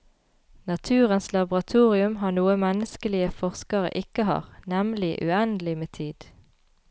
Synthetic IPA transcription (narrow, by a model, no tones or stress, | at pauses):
nɑt̪ʰʉːʁənslɑbʊʁɑt̪ʰuːʁɪʉmɦɑːnuːəmɛnəskəlɪəfɔʁskɑʁə̰ʔɪkəhɑ̰ːʁnɛmlɪʔʉ̰ɛnd̪lɪmeːt̪ʰiːd̪̥